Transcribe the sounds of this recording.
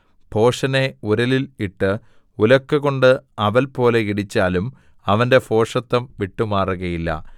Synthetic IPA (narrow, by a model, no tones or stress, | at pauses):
pʰo̞ːʂɐne̞uɾɐliliʈːɨ | ulɐkːɨɣo̞ɳɖɨɐʋɐlpo̞ːle̞kiɽit͡ɕːaːlum | ɐʋɐnde̞po̞ːʂɐt̪ːɐmʋiʈːumaːruɣɐjilːɐ̰